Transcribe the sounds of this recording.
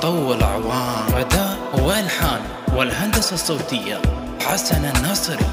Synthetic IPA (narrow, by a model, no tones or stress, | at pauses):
t̪ˤɑwːɪlʕwɑːɾɑd̪a | wɪʔɪlħaːn | wɪlɦand̪asɑsˤːowt̪ɪjːa̰ | ħasananːɑsˤɾ